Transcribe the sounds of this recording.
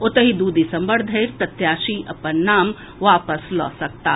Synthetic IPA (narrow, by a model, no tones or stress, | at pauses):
ʊt̪əɦid̪uːd̪ʱisɐ̃mbəɽd̪ʱɐɪɾt̪ɐt̪jaːʃiʔɐpənːaːm | ʋaːpəslɔ̰ːsɐk̚t̪aː